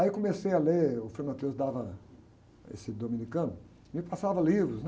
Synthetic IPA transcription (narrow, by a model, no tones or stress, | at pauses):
aikõmesejaleʊfɾẽnɐ̃t̪ewzd̪avɐ | ḛsɪd̪omĩnikɐ̃nʊ | mɪpasavɐlivɾʊsn